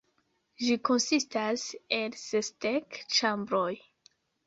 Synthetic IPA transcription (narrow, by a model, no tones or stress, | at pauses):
ʒiko̞nsistase̞lsestekt͡ʃambɾoj